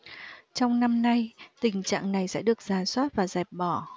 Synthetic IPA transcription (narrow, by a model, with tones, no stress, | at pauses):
t͡ɕɔ˧wŋ͡mna˧mna˧jt̪ï˨˩ŋ̟t͡ɕa̰ː˧˨ŋna˨˩jsɛ̰˧˥ɗɨ˨˩ək̚z̥aː˨˩swaː˦˥t̚vaː˨˩zɛ˨˩p̚ɓɔ˧˩